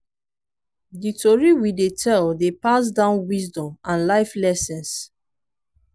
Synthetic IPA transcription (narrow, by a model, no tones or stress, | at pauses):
ditʰoɹiwidetʰɛldepas̬dãʊ̃nwisdɔ̃mãnlaɪflɛsɛ̃ns